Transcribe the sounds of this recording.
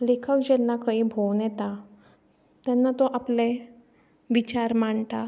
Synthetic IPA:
lekʰəʋd͡ʑɛnːakaibʱownjɛt̪a | t̪janːat̪oʔaple | ʋit͡ɕaɾmaɳt̪a

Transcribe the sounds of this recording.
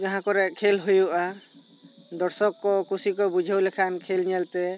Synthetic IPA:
d͡ʒaɦãkɔɾɛkʰelɦujuʔa | d̪ɔɾsɔkːɔkusikɔbud͡ʒʱawlɛkʰankʰelɲɛlt̪ɛ

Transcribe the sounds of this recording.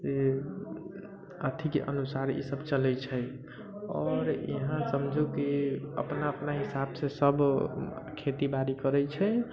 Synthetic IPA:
d͡ʒe | ət̪ʰikeʔə̰nusaɾḭsəbt͡ʃəlɛt͡ʃʰɛ | ɔːɾḭɦãsəmd͡ʒʱukiə̰pnaəpnaɦisabsesəb | kʰet̪ibaɾikəɾɛt͡ʃʰɛ

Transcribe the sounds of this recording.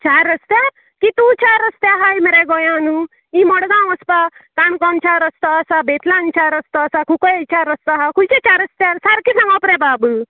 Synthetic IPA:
t͡ʃʰaɾəst̪ja | kit̪ut͡ʃʰaɾəst̪jaɦajmeɾeɡɔjãnu | imɔɽɡãɔspat̪ankɔnt͡ʃʰaɾəst̪ɔasabet̪ʰlant͡ʃʰaɾəst̪ɔsakʰukɔjet͡ʃʰaɾəst̪aɦakult͡ʃet͡ʃaɾəst̪jaɾsaɾkisãŋɡɔpɾebaːbɨ

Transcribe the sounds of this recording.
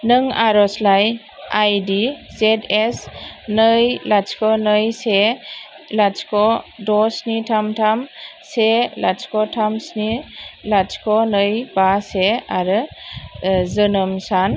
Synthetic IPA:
nɯŋaɾɔslaj | ajdizetesnɯjlat͡ʃkʰɔnɯjse | lat͡ʃkʰɔdɔsnitʰamtʰamselat͡ʃkɔtʰamsnilat͡ʃkʰɔnɯjbaseaɾɯ | zɯnɯmsan

